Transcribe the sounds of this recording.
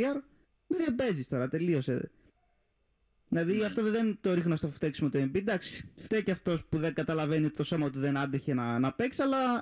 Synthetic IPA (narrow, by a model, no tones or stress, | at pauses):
iɐɾ | ðebe̞zist̪o̞ɾɐt̪e̞lio̞se | ðilɐðiɐft̪o̞ððent̪o̞ɾixnost̪oft̪eksimot̪oembid̪ɐksi̥ft̪ecɐft̪o̞spuðe̞ŋɡɐt̪ɐlɐve̞niot̪it̪o̞so̞mɐot̪iðenɐnd̪eçe̞nɐnɐpeksɐlɐ